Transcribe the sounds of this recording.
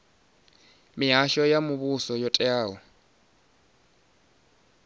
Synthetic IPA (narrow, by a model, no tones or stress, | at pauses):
mɪɦaʃɔjamʊβusɔjɔtʼɛaːɦɔ